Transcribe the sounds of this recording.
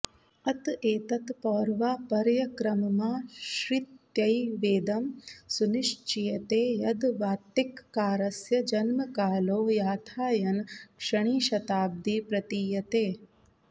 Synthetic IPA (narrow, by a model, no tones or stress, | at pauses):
ɐt̪eːt̪ɐt̪pɔːɾʋaːpɐɾjɐkɾɐmɐmaːʃɾit̪jɐjʋeːd̪ɐmsuniʂt͡ʃijɐt̪eːjɐd̪ʋaːt̪ːikːaːɾɐsjɐd͡ʒɐnmɐkaːloːjaːt̪ʰaːjɐnkʂɐɳ̃iːʃɐt̪aːb̚d̪iːpɾɐt̪iːjɐt̪eː